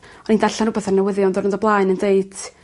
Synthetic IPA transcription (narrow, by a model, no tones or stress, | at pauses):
ɔnindaɬanrʊbɛθarnəwɪðjɔndɔrəndɔblˠaːɨnəndeɨd